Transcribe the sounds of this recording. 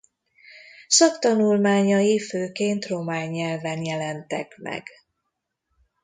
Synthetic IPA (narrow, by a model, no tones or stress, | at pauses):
sɒkt̪ɒnulmaːɲɒjiføːkeːnt̪ro̞maːɲːɛlvɛnjɛlɛnt̪ɛkmɛ̰ɡ̥